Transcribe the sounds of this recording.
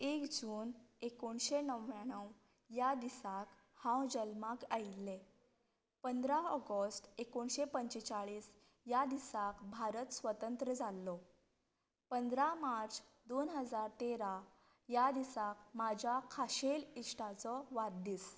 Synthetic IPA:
ekd͡ʑuːnekoɳɕenəʋjaɳ̃əw | jad̪isak | hãwd͡ʑəlmakailːe | pənd̪ɾaɔɡəsʈekoɳɕepəɲt͡ɕet͡saɭiːs | jad̪isakbʱaɾət̪sʋət̪ənt̪ɾəd͡zʱalːɔ | pənd̪ɾamaɾt͡s | d̪onɦəd͡zaɾt̪eɾa | jad̪isakmad͡ʑʱjakʰaɕeliʂʈat͡sɔʋat̪̚d̪iːs

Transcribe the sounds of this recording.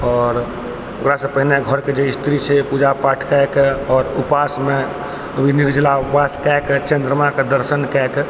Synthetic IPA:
ɔːɾ | okɾasə̃pəɦineɡʱəɾked͡ʒeist̪ʰɾit͡ʃʰɛpud͡ʒapaʈʰkakɔːɾupasme | əbʱiniɾd͡ʒlaupaskɛkt͡ʃẽnd̪ɾəmaked̪əɾsənkɛk

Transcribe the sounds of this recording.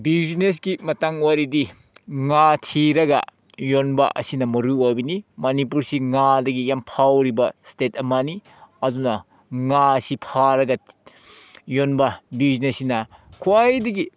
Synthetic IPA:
biznesɡimɐtaŋwaɾidi | ŋatʰiɾɐɡɐ̰ | jonbɐ̰ʔɐ̰sinɐmɐɾuojbinimɐnip̬uɾsiŋadɐɡijampʰawɾibɐstetʰɐmɐni | ɐdunɐ | ŋasipʰaɾɐɡɐ | jonbɐbiznesinɐkʰuwajdɐɡi

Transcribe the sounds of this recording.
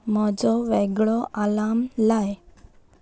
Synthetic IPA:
mɔd͡zɔʋɛɡɭɔʔalamlaj

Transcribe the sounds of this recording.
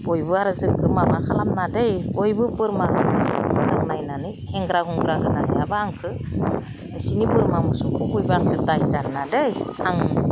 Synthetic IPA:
bɔjbɯaɾɯzɯkɡɯmamakʰalamnadejbɔjbɯpɯɾmakamusukmɯzaŋnajnanɯjhɛŋɡɾaɡuŋɡɾaɡɯnajabaaŋkʰɯ | sinipɯɾmamusukʰukujbaaŋkʰɯdajzannadɯjaŋ

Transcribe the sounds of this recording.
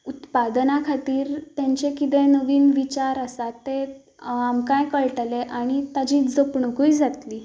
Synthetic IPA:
ut̪pad̪nakʰat̪iːɾt̪jaɲt͡ɕekit̪̬ɛnəʋiːnʋit͡ɕaɾəsat̪ːe | amkãjkəɭʈleʔaɽ̃it̪ad͡ʑiːd͡zəpɳəkujd͡zat̪liː

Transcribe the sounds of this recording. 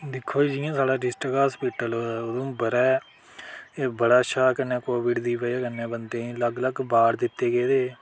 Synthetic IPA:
d̪ɪkʰːoːiːd͡ʒiːãːsaːɽaːɖɪsʈəɡaːspiːʈəlod̪õːbəɾɛː | ebəɽaːʃaːkənːɛ̃ːkoːʋɪɖd̪iːpəːkənːẽːbənd̪ẽːləɡləɡbaːɽd̪ɪt̪ːeːɡeːd̪eː

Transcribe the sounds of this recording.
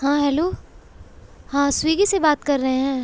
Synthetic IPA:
hãːɦɛːloː | hãːswiːɡisebaːt̪kɐɾːɐɦeɦɛ̃ː

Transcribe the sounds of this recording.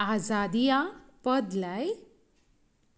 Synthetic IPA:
ad͡zad̪ijapəd̪laj

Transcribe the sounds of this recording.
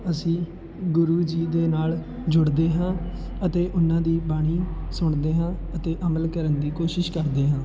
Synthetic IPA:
əsĩː | ɡʊɾuːd͡ʒiːd̪eːnaːl | d͡ʒʊɽd̪eːɦãː | ət̪eːʔʊnãːd̪iːbaːɽ̃iːsʊɳd̪eːɦãː | ət̪eːʔəməlkəɾənd̪iːkoːʃɪʃkəɾd̪eːɦãː

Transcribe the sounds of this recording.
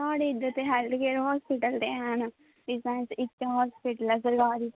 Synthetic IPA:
aːɽeːɪd̪ːət̪eɦɛːld̪keːɾɦɔːspɪʈəld̪eːɦɛn | ɪsãːnsɪt̪t͡ʃaɦɔːspɪʈələzəɾɡaːɾiː

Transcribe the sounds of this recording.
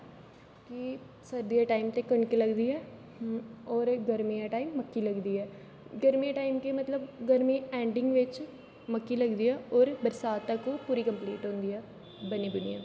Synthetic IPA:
ki | səɾd̪ijaːʈaːimt̪eːkəɳɖkeləɡd̪iːɛː | ɔːɾɡəɾmijaʈaːimːəkːiːləɡd̪iːɛː | ɡəɾmiːãʈaːimkemət̪ləbɡəɾmiːɛːɳɖɪ̃ŋɡʋɪt͡ʃ | məkːiləɡd̪iɛːɔːɾbəɾsaːt̪ːakopuːɾiːkəmpliːʈɦõːnd̪iɛː | bəniːd̪ʊnḭja̰ː

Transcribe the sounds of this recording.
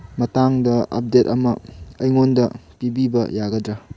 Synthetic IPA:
mɐtaŋdɐɐ̰p̚detɐmɐːjŋondɐpibibɐ̰jaɡɐdɾɐ

